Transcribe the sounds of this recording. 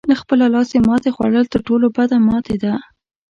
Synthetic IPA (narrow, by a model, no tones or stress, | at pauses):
laxpəlalɑsemɑt̪exwa̰ɽəlt̪əɾʈolobad̪amɑt̪ed̪a